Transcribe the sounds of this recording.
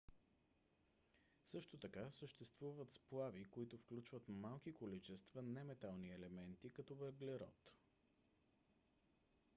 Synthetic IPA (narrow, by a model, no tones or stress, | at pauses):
sɤʃt̪ot̪ɐkasəʃt̪ɛst̪vuvət̪splˠavikoit̪ʊfklʲut͡ʃvət̪malˠkikolit͡ʃɛst̪vənɛmɛt̪alˠniɛlɛmɛnt̪ikɐt̪ɔvɛɾɡlɛɾɔ̰t̪